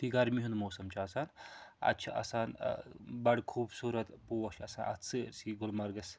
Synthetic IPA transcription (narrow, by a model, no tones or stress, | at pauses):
t̪iɡɐɾmiɦund̪moːsɐmt͡ʃʰiɐsaːnɐ̰t͡ʃʰɐʔɐ̰saːnbɐɽkʰuːbsuːɾɐt̪puːʋɐt͡ʃʰɐsaːnʔɐ̰t͡sʰɨɾsiɡʊlmɐɾɡɐs